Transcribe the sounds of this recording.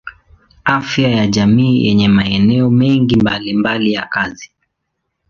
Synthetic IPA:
afjajaʄamiːjʔɛ̰ɲɛmaɛnɛɔmɛŋɡimbalimbalijakazi

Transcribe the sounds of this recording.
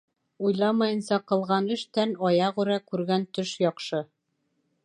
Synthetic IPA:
ujlˠɑmɑjɤ̆nsɑqɤ̆lˠʁɑnɘ̆ʃt̪ænɒjɑʁʉɾækʉɾɡænt̪ɵʃjɒqʃɤ

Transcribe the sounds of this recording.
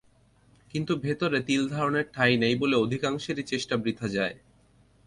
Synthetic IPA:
kint̪ubʱet̪oɾet̪ild̪ʱaɾoneɾʈʰajnejboleod̪ʱikaŋʃeɾit͡ɕeʃʈabɾid̪ʱːad͡ʑae

